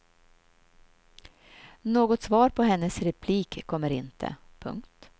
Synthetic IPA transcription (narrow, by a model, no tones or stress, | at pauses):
noːɡɔt̪svɑːɾpʰɔɦɛnːəsɾɛpʰliːkʰːɔmːəɾɪ̰nt̪ʰə̰pʰɵ̰ŋkt̪